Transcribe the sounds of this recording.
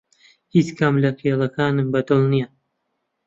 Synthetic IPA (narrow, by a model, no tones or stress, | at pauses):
it͡skʰamlɐkʰeːlˠɐkʰaːnɨmbɐd̪ɨlˠnija